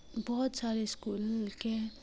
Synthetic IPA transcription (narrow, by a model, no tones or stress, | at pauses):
bɔɦut̪saɾeskulke